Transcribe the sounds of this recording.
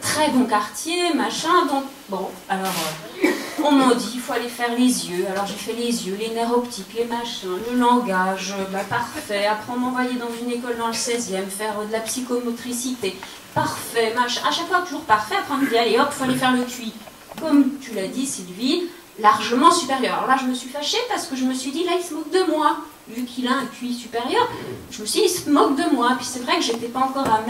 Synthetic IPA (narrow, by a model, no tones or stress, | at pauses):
t̪χɛbɔ̃kaʁt̪jemaʃɛ̃d̪ɔ̃k | bɔ̃alɔʁø | ɔ̃mɑ̃d̪ifoalefɛʁlezjøalɔʁʒefɛlezjøleneʁɔpt̪iklemaʃɛ̃ləlɑ̃ɡaʒbapaʁfɛapχɑ̃mɑ̃vwajed̪ɑ̃zynekɔld̪ɑ̃ləsɛzjɛmfɛʁd̪əlapsikɔmɔt̪χisit̪e | paʁfɛmaʃaʃakfwat̪uʒuʁpaʁfɛapχɑ̃d̪əb̪jɛ̃eɔʁifalɛfɛʁləkʲɥi | kɔmt̪ylad̪isilvi | laʁʒəmɑ̃sypeʁjœʁalɔ̰ʁlaʒəməsɥifaʃepaʁsə̥kəʒəməsɥid̪ilailsəmɔk̚d̪əmwa | vykʰilaɛ̃kʲɥisypeʁjœʁʒ̥əməsɥid̪ilsəmɔk̚d̪əmwapɥi̥sɛvʁɛkəʒet̪ɛpaɑ̃kɔʁam